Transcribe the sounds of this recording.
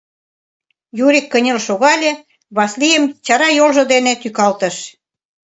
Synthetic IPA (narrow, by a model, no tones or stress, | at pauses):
juɾikːə̆nʲĕlʃoɣɑlʲĕ | βɑslijəmt͡ɕɑɾɑjolʒɤ̆d̪enet̪ykɑlt̪ə̆ʃ